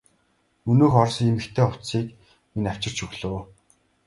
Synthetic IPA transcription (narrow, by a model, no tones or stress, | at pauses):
ɵnɵːxɔrsiːmɘkt̪ʰeːʊw̥t̪siːk | minaw̥t͡ɕɪ̆r̥t͡ɕɵɣɮoː